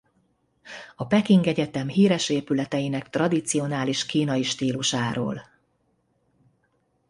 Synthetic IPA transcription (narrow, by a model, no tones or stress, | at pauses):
ɒpɛkiŋɡɛɟɛt̪ɛmɦiːɾɛʃeːpylɛt̪ɛjinɛkt̪rɒd̪it̪sio̞naːliʃkiːnɒiʃt̪iːluʃaːɾo̰ːl